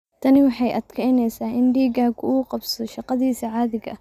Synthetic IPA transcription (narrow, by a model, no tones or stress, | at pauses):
t̪ʰɐnɪwɑħɑjʔɐd̪̥kʰɛjnɛjsaːʔɪnɖiːɡaːkʰʊuːqɑbsɔʃɑqɑðiːsɐʕaːðɪɡɐ̰